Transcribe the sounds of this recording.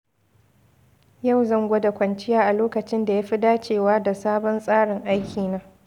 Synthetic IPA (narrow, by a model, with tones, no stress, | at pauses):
ja˦˨wzɐ˦˨ŋɡʷɐ˦da˨kʷɐ˨nt͡ʃɪ˦jaː˦ʔa˨loː˦kɐ˨t͡ʃɪ˦nda˨ja˦ɸi˦daː˦t͡ʃeː˨waː˦da˨saː˦bɔ˦nsʼaː˦ɽɪ˨ŋʔa˦jkʲʰiː˨naː˦